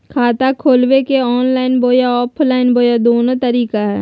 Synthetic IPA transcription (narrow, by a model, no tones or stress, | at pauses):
kʰaːt̪akʰoːlwekeɔːnlaːɪnboːjaɔːpʰlaːɪnboːjad̪oːnot̪əɾiːkaɦɛ̰ː